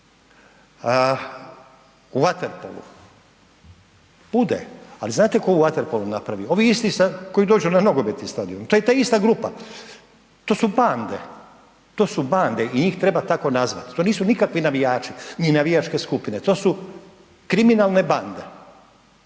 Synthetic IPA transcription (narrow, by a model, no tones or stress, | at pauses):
uʋat̪eɾpo̰lṵ | b̥ud̪ḛa̰liznaːt̪eko̞uʋat̪eɾpolunapɾaʋioʋiist̪isako̞id̪o̞ːd͡ʒunanoɡobet̪ist̪aːd̪iomt̪ojet̪aːist̪aɡɾuːpa̰ | t̪o̞ːsuband̪e̞̰ | t̪o̞ːsuband̪eiɲiːxt̪ɾe̞bat̪ako̞nazʋa̰t̪i̥t̪o̞ːniːsunikakʋinaʋijaːt͡ʃininaʋijat͡ʃke̞skupinet̪o̞ːsu | kɾiminaːlˠne̞band̪e̞̰